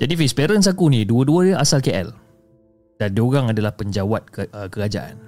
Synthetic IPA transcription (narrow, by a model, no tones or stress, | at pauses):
d͡ʒadifispɛɾəns̬akunĩduəduəʔasalkeʔɛ̰l | d̥andioɣaŋadalahpəɲd͡ʒawat̪̚kəkəɾad͡ʒa̰ʔa̰n